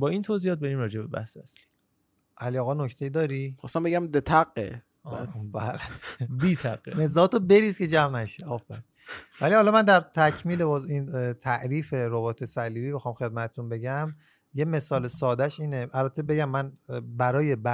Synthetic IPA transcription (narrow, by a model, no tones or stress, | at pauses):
bɒːint̪ʰoziɒːt̪̚beɾiːmɾɒːd͡ʒebebæ̰hsæsli̥ | ʔæliɒːɣɒnocʰt̪ʰe̞jiːd̪ɒːɾixɔ̰st̪æmbeɡæmd̪et̪ʰæɡḛ | bæːlebiːt̪ʰæ̰ɡ̥emezɒːt̪ʰobe̞ɾiːskʲʰe̞d͡ʒæmnæʃeɒːfæɾi | vælihɒlɒmænd̪æɾt̪ʰæcʰmiːlebɒːzint̪ʰæʔɾiːfe̞ɾobɒːt̪ʰesæliːbiːbexɒːmxed̪̚mæt̪ʰet̪ʰunbe̞ɟæm | jeme̞sɒːlesɒːd̪æʃiːneʔælbæt̪ʰːebe̞ɟæmːænbæɾɒːje̞bæ